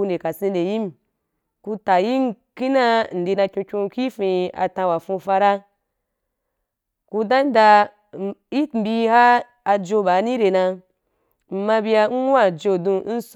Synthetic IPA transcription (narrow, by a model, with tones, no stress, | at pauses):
u˧nde˨ka˨sĩ˧nde˨ji˦m˨ | ku˧ta˨ji˦n˦ki˦na˧n̩˨di˧na˧kʲũ˧kʲũ˧ki˦fĩ˧a̰˧tã˧wa˨fũ˧fa˧ɾa˦ | ku˧da˦n˦da˧ | i˦m˨bi˧haː˦˧ | d͡ʒo˧ba˨˦nĩ˦ɾe˨na˧ | m̩˨ma˧bi˧ja˧n̩˦wa˦˨d͡ʒo˧dũ˧n̩˦s